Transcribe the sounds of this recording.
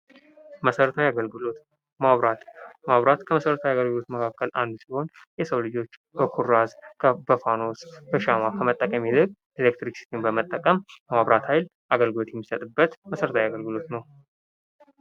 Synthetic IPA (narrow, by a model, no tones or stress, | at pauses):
məsəɾət̪ʰawjaɡəlɡlot̪ | maβɾat̪maβɾat̪kʰəməsəɾət̪ʰawjaɡəlɡɨlo̞t̪məkʰakʰːəlʔand̪siho̞n | jɛsəwlɨd͡ʒo̞t͡ʃːbəkʰuɾazkʰəbəfano̞sbəʃamakʰəmət̪ʼːəkʼəmilɨkʼ | elek̚t̪ɾiksi̥t̪ʰembəmət̪ʼːəkʼəmmaβɾat̪hajl | ʔaɡəlɡɨlo̞t̪jɛmːisət̪ʼɨbːət̪məsəɾət̪ʰawjaɡəlɡɨlo̞t̪nəw